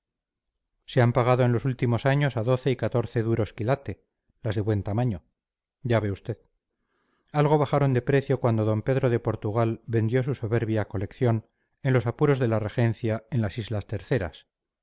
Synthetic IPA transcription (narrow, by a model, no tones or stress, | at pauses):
seampaɣ̞aðo̞e̞nlo̞sult̪imo̞saɲo̞saðo̞θe̞ikat̪o̞ɾθe̞ðuɾo̞skilat̪e̞ | lazðe̞βwe̞nt̪amaɲo̞ | ɟ͡ʝaβe̞ust̪e̞ð | alɣo̞βaχaɾo̞nd̪e̞pɾe̞θjo̞kwand̪oðo̞mpe̞ðɾo̞ðe̞po̞ɾt̪uɣ̞albe̞nd̪jo̞suso̞βe̞ɾβjako̞le̞kθjo̞n | e̞nlo̞sapuɾo̞zðe̞lare̞xe̞nθjae̞nlasizlast̪e̞ɾθe̞ɾa̰s